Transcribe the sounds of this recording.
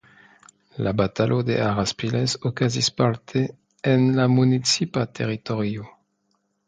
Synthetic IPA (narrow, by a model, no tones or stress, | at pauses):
lʔabat̪alʔod̪eʔaʁaspilesokazispalt̪ʰeː | nlamunit͡sipat̪ʰeʁit̪oʁjo